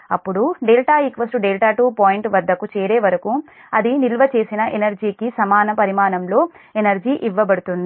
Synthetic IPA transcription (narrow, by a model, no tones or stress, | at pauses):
ɐpːuɽuɖeːlʈaːikʋɐsʈuɖeːlʈaːʈuːpaːjiɳʈʋɐd̪ːɐkut͡ʃɛːɾeːʋɐɾɐku | ɐd̪inilʋɐt͡ʃe̞ːsinɐʔenɐɾd͡ʒiːkisɐmaːnɐpɐɾimaːnɐmlo̞ː | enɐɾd͡ʒiːʔiʋːɐbɐɽut̪und̪i